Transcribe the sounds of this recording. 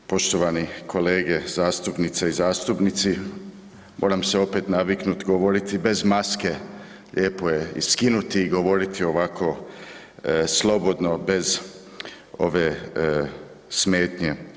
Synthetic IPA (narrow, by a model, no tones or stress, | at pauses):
po̞ʃt̪o̞ʋanikʰo̞le̞ːɡe̞zaːst̪upnit̪seizaːst̪upnit̪si | mʔo̰ːɾamseo̞pe̞ːt̪naʋiknut̪ɡo̞ʋo̞ɾit̪ibe̞zmaske̞ | ʎʔe̞ːpojeḭskinut̪iːɡo̞ʋo̞ɾit̪ʰio̞ʋakʰo̞ | slˠo̞bo̞d̪no̞be̞z | o̞̰ʋe̞ | sme̞ːt̪ɲe